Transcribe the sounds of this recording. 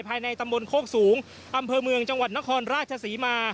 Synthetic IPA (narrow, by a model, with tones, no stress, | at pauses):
pʰaː˧jna˧jt̪a˧mbo˧nkʰoː˥˩k̚suː˩˦ŋ | ʔa˧mpʰɤː˧mɯ˧əŋt͡ɕa˧ŋwa˨˩t̪̚na˦˥kʰɔː˧nɾaː˥˩t̪̚t͡ɕʰa˧siː˩˦maː˧